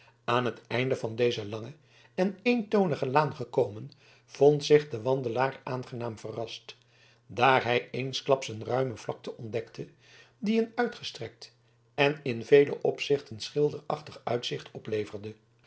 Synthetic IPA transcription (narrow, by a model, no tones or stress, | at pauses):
ʔaːnɦətɛjndəvɑndejzəlɑŋə | ɛnejntownəχəlaːnχəkowmən | v̥ontsɪχdəʋɑndəlaːrʔa̰ːnχənaːmvərɑst | daːɹɦɛjejnsklɑpsənrœɥməv̥lɑk̚təʔɔndɛktʰə | diənœɥtχəstrɛk̚t | ɛnɪnvejlə̰ʔɔpsɪχtənsχɪlˠdərɑχtəχœ̰ɥtsɪχtʰɔplejvərdə